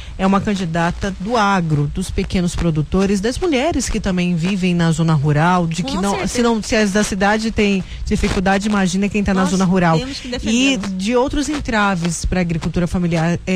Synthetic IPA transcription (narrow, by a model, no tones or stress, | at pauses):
ɛũmɐkɐ̃d͡ʒɪd̪at̪ɐd̪ʊaɡɾʊd̪ʊspekẽnʊspɾod̪ut̪oɾɪzd̪ɐzmuʎɛɾɪskɪt̪ɐ̃mbẽj̃vivẽj̃nɐzõnɐɦuɾawd͡ʒɪkɪnɐ̃w̃sɪnɐ̃w̃sɪɐzd̪ɐsid̪ad͡ʒɪt̪ẽj̃ | d͡ʒifikud̪ad͡ʒɪimaʒĩnɐkẽj̃t̪anɐzõnɐɦuɾaw | ɪd͡ʒɪowt̪ɾʊzẽnt̪ɾavɪspɾɐːɡɾikuwt̪uɾɐfamiliaɾɛ